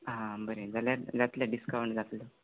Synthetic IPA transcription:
ɦãbəɾed͡zaljad͡zat̪ljaɖiskaʋəɳʈd͡zat̪lə

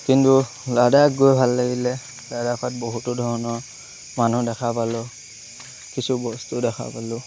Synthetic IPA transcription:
kintu | ladakɡojbʱalːaɡilɛ | ladakʰat̚boɦutʊdʱɔɹɔnɔɹ | manudɛkʰapalʊ | kisubɔstudɛxʰa̰palʊ

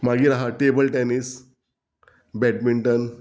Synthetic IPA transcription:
maɡiːɾaɦaʈebəlʈɛnis | bɛʈ̚miɳʈən

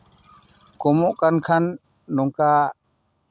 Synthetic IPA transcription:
kɔmɔʔkankʰanː | ɔŋka

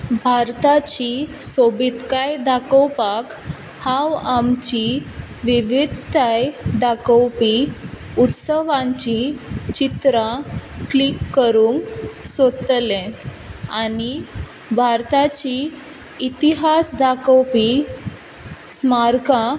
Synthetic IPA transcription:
bʱaɾt̪at͡ɕisobit̪kajd̪akəwpak | hãwamt͡ɕi | ʋiʋid̪ʱt̪ajd̪akəwpiut̪səʋãɲt͡ɕit͡ɕit̪ɾaklikːəɾuŋksot̪lɛ̃ | ani | bʱaɾt̪at͡ɕiː | t̪iɦasd̪akəwpi | smaɾka

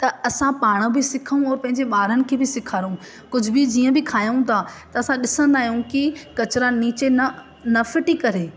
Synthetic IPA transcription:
t̪ɐɐsãpaːɽ̃bɪsɪkʰəũɔːɾpɐ̃ɦɪ̃ɲ̆d͡ʑeɓaːɾənɪ̆kʰeːbɪsɪkʰaːɾũ | kʊd͡ʑʱʊbɪd͡ʑiːə̃bɪkʰaːjũt̪ʰat̪ɐɐsãɗɪsə̃nd̪aːɦijũkɪkɐt͡ɕɪɾaniːt͡ɕenɐ | nɐfɪʈikɐɾeː

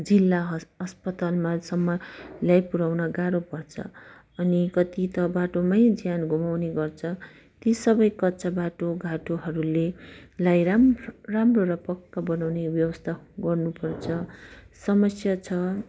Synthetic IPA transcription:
d͡zilːaɦʌspʌt̪almasʌmːʌljajpuɾawnʌɡaɾopʌrt͡sʰʌ̰ | ʌnikʌt̪it̪ʌbaʈomajd͡zjanɡʱumawneɡʌrt͡sʰʌ | t̪isʌbʌjkʌtːt͡sabaʈoɡʱaʈoɦʌɾulelajramroɾʌpʌkːabʌnawnebjʌwʌst̪ʰaɡʌrnupʌrt͡sʰʌ | sʌmʌsjat͡sʰʌ

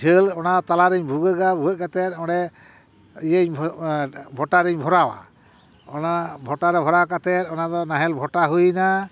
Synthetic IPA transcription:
d͡ʒʰəlɔnat̪alaɾɛɲbʱuɡəɡabʱuɔc̚kat̪ɛt̪̚ɔɽɛ | ijəɲ | bʱɔʈaɾɛɲbʱɔɾawa̰ | ɔnabʱɔʈaɾɛbʱɔɾawakat̪ɛt̪ɔnad̪ɔnaɦɛlbʱɔʈaɦujna

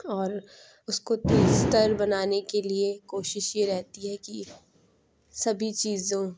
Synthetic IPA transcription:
ɔːɾ | ʊskot̪iːzt̪əɾbɐnaːnekeliekoːʃɪʃjeɾɛɦt̪iɦɛki | sɐbʱit͡ʃiːzõ

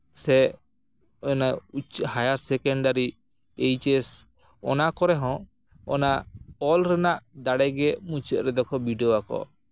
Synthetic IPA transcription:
sɛ | ɔnaut͡ʃhajaɾsɛkɔɳɖaɾi | ejt͡ʃɛs | ɔ̰nakɔɾɛɦɔ̃ | ɔ̰naɔlɾɛnaʔd̪aɽɛɡɛmũt͡ʃɛʔ̪ɾɛd̪ɔkʰɔbiɖioakɔ̰

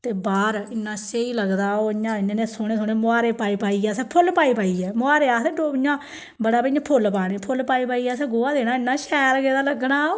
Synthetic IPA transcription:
t̪eːbaːɾɪnːãːseiːləɡd̪aːoːɪɲãːɪnẽːneːsoːɽeːsoːñeːmʊaːɾeːpaːiːpaːiːɛːsɛːpʰʊlpaːiːpaːiːɛːmʊaːɾeːaːsd̪ẽːɖoːɪɲãː | bəɽaːpəãːpʰʊlpaːɽ̃ẽːpʰʊlpaːiːpaːiːɛːsɛːɡoːãːd̪eːɽaːɪnːaːʃɛːɾɡeːd̪aːləɡnaːoː

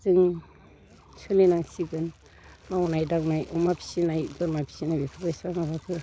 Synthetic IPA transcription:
zɯŋ | t͡ʃʰɯlinaŋsiɡɯn | maunajdaknajʔɔmapʰi̥sinajdɔɾmapʰi̥sinajbipʰabajsamabakʰɯ

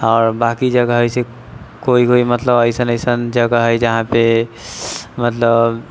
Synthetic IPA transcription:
ɔːɾbakid͡ʒəɡaɦəjse | koikoimət̪ləbəɪsənəɪsənd͡ʒəɡaɦəjd͡ʒəɦãpe | mət̪ləb

